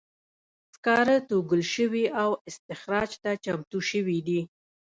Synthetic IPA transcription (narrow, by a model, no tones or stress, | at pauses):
skɑɾət̪oɡəlʃəwiʔawɪst̪ɪxɾɑd͡ʒt̪at͡ʃamt̪uʃəwid̪i